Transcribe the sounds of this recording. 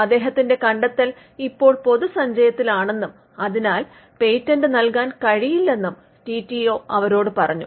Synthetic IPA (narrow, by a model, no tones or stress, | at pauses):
ɐd̪ːe̞ːɦɐt̪ːinde̞kɐɳɖɐt̪ːɐl | ipːo̞ːɭpo̞ðusɐɲd͡ʑɐjɐt̪ːilaːɳe̞nːum | ɐðinaːl | pe̞jtːɐnɖɨnɐlkaːnkɐɻijilːe̞nːum | ʈiːtːio̞ːɐʋɐɾo̞ːɽɨpɐrɐ̰ɲːu